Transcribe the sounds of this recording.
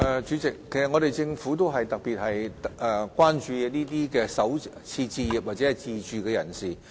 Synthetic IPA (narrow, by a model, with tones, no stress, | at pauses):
ɛː˨˩t͡ʃyː˨˧˥t͡sɪ˨k̚ʰːe˨˩sɐ˨ŋɔ˨˧ɾe˨jt͡sɪ˧ŋfu˨˥t̪o˥wɦɐ˨jt̪ɐ˨k̚piː˨t̚hɐ˨jɛ˨kʷwaː˥nt͡ʃyː˧niː˥t̪iː˥kɛː˧sɐ˨˥wt͡sʰiː˧t͡siː˧ji˨p̚wa˨t̚t͡sɛː˨˥hɐ˨jt͡siː˧t͡ʃyː˨kɛː˧jɐ̰˨˩nsiː˨˩